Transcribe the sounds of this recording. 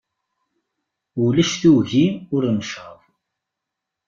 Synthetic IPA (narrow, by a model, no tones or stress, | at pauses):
ulæʃθuwʝiʊɾnəʃəðˤ